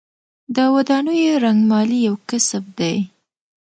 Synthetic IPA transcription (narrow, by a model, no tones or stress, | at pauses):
d̪əwad̪ɑnəjoeɾaŋɡmɑlijawkɪsəb̚d̪aj